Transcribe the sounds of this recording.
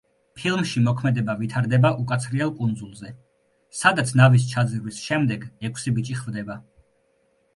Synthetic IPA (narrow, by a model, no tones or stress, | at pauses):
pʰilˠmʃimɔkʰmɛd̪ɛbavit̪ʰaɾd̪ɛbaʔukʼat̪sʰɾiɛlˠkʼund̪zulˠzɛ | sad̪at̪sʰnavis̬t͡ʃʰad̪zɾwisʃɛmd̪ɛɡɛkʷʰsibit͡ʃʼiχvd̪ɛba